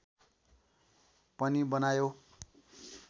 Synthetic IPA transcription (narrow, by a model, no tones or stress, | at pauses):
pʌnibʌnajo